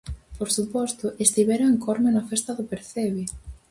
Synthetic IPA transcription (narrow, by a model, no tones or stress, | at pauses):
poɾsupɔst̪ʊʔest̪iβɛɾaŋkɔɾmenɐfɛst̪ɐðʊpeɾθeβi